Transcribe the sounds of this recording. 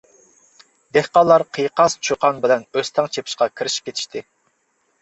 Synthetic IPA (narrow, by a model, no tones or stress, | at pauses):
d̪ehqɑlˠːɑɾqʰɨjqɑst͡ʃʰuqʰɑnbɪlɛnøst̪ʰɛŋt͡ʃʰepʰi̥ʃqɑkʲʰiɾɪʃi̥p̚kʲet̪ʰɪ̥ʃt̪ʰɪ